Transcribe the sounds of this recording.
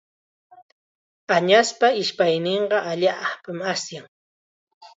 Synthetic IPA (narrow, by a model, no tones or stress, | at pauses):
aɲaspaɪʃpajneɴɢɑʔaʎapamasjaŋ